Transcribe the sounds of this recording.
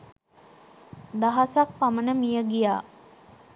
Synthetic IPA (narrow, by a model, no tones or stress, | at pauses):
d̪aɦasak̚pamənəmijəɡijaː